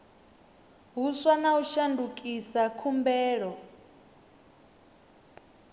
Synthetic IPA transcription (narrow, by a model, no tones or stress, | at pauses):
ɦusanauʃandukʼisakʰumbɛːɺɔ